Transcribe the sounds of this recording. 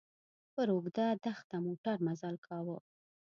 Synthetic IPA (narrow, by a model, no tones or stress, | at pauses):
pəɾoɡd̪ad̪axt̪amoʈaɾmazɑlkʰɑwə